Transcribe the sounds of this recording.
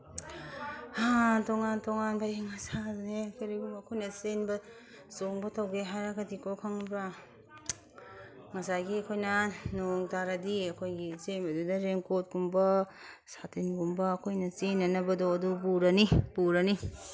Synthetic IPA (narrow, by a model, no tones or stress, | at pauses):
atoŋantoŋanbajiŋasanekʰɐɾiɡumbːkʰojnɐsenbɐ | soŋbɐtʰawɡeɦaɾɐɡɐdikokʰaŋbɾa | ŋɐsaɡiɐkʰojnɐnoŋtaɾɐdiɐkʰojɡit͡ʃenbɐdudɐɾeŋkot̚ɡumbɐ | satinɡumbɐːkʰojnɐt͡ʃenːɐnɐbɐdoɐdubuɾɐnibuɾɐni